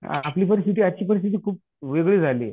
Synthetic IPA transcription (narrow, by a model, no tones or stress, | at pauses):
a̰pliːpəɾist̪it̪iːat͡ɕiːpəɾist̪ʰit̪̬iːkʰuːp̚ | ʋeɡɭiːd͡zʱalḭ